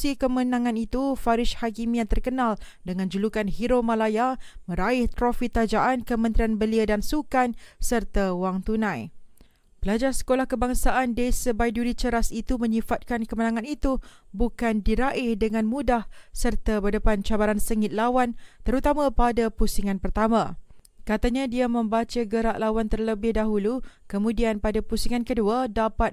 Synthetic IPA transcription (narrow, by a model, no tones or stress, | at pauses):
ikəmənãŋãnit̪ufaɾɪʃhakimĩãt̪ərkənal | dəŋãnd͡ʒulukanhiɾomãlajamə̃ɾaɪht̪ɾofit̪ad͡ʒaʔankəmə̃nt̪ɾianbəliadansukansərt̪awaŋt̪unãj | b̥əlad͡ʒarsə̥kolahkəbaŋsaʔandesəbajduɾit͡ʃəɾasit̪umə̃ɲĩfat̪̚kankəmənãŋãnit̪u | bukandiɾaʔɪhdəŋãnmũdahsərt̪abədəpant͡ʃabaɾansəŋɪt̪̚lawant̪əɾut̪amãpadapusiŋãnpərt̪amã | kat̪aɲãdiamə̃mbat͡ʃaɡəɾaʔlawant̪ərləbɪhdaɦulukəmũdianpadapusiŋankəduadapat̪̚